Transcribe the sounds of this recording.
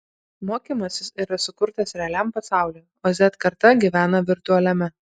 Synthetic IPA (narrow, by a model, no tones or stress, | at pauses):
moːkʲimɐsʲɪsiːɾɐsʊkʊɾt̪ɐsɾʲɛɐlʲæmpɐsɑˑʊlʲeː | oːzʲɛt̪kɐɾt̪ɐɡʲiʋʲæːnɐʋʲɪɾt̪ʊɐlʲɛmʲɛ